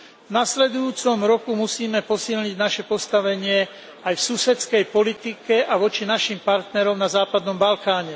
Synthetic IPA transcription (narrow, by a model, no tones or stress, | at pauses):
vnaslɛd̪ujuːt͡sɔmɾɔkumusiːmɛpɔsilɲiɟnaʃɛpɔst̪aʋɛɲɪɛ | ajfsusɛt͡skɛjpɔlit̪ikɛʔaʋɔt͡ʃinaʃimpaɾt̪nɛɾɔmnazaːpad̪nɔmbalkaːɲɛ